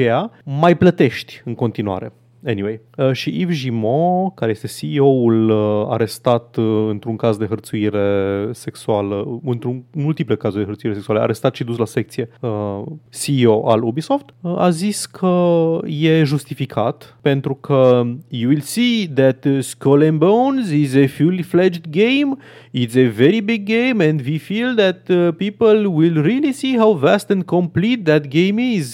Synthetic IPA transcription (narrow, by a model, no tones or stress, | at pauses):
t͡ʃejamajplət̪e̞ʃt̪ʲɨŋko̞nt̪inua̰ɾe̞ | eniwejʃiʔifʒimokaɾeje̞st̪e̞siːo̞ula̰ɾe̞st̪at̪ɨnt̪ɾuŋkazd̪e̞ɦərt̪suiɾe̞se̞ksualəɨnt̪ɾunmult̪iplekazud̪eɦərt̪suiɾeseksualəʔa̰ɾe̞st̪at̪ʃid̪uslase̞k̚t̪sije̞əsio̞ʔa̰lubiso̞ft̪a̰ziskʰəjeʒust̪ifikʰa̰t̪pẽnt̪ɾukʰəjuwilsiðæt̪skʰolɛ̃nbõwnzizefuliflɛd͡ʒd̪ɡẽjm | itseveɾibiɡːẽɪmɛ̃nd̪vifilðæt̪pipəlwilɾilisiɦawvæst̪ɛ̃nd̪kʰõmplit̪̚ðæt̪̚ɡẽɪ̃miz